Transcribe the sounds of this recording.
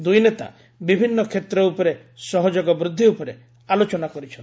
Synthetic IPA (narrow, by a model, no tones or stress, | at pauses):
d̪ujnet̪a̰ | bibʱinːɔkʰet̪ɾɔupɔɾe | sɔɦɔd͡ʒoɡɔbɾud̪ʱːiupɔɾe | alot͡ʃɔnakɔɾit͡ʃʰɔni